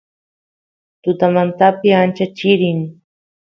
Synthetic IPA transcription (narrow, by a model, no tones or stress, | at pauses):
t̪ʊt̪amant̪apɪant͡ʃat͡ʃɪɾɪŋ